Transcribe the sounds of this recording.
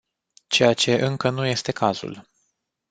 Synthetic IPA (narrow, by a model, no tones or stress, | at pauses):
t͡ʃe̞jat͡ʃe̞ʔɨŋkənuje̞st̪e̞kʰazṵl